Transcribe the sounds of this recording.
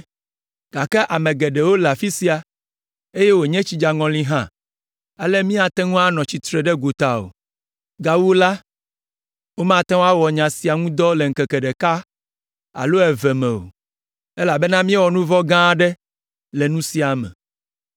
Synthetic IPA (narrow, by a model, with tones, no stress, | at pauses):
ɡ̥a˨kɛ˦ʔa˨mẽ˨ɡɛ˨ɖɛ˨wo˦la˨fi˦si˦a˨ | e˦je˦wo˨ɲɛ̃˦t͡ɕi˦d͡ʒa˨ŋɔ̃˨lĩ˦ɦã˦ | a˦lɛ˦mĩ˦a˨t̪ɛ˦ŋũ˦a˦nɔ̃˨t͡ɕi˨t̪ɾɛ˨ɖɛ˦ɡo˨t̪a˨o̰˨ | ɡa˨wu˦la˦ | wo˦mã˦˨t̪ɛ̃˦wa˦wɔ˨ɲã˨si˨a˨ŋũ˦d̪ɔ˦le˨ŋ̩˨kɛ˨kɛ˨ɖɛ˨ka˦ | a̰˨lo˦ɛ˨vɛ˨mɛ̃˨o̰˨ | e˦la˨bɛ˦nã˦mĩ˦ɛ˦wɔ˨nũ˦vɔ˦ɡã˦ɖɛ˦ | lɛ˨nũ˦si˨a˨mɛ̰̃˨